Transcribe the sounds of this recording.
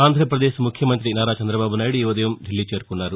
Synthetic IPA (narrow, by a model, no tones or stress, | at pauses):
aːnd̪ʱɾɐpɾɐd̪eːsmukʰjɐmɐnt̪ɾinaːɾaːt͡ʃɐnd̪ɾɐbaːbunaːjiɽuiːʋɐd̪ɐjɐmd̪ʱilːiːt͡ʃe̞ːɾukunːaːɾu